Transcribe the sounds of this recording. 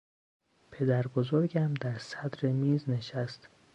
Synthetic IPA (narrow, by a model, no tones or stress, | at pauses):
pʰe̞d̪æɾbozoɾɟæmd̪æɾsæd̪ɾe̞miːzne̞ʃæst̪